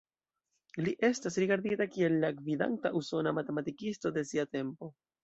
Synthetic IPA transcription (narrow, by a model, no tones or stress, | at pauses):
liʔe̞stasɾiɡaɾditakie̞lːaɡvida̰ntaʔuso̞namate̞matikisto̞de̞siate̞mpo̞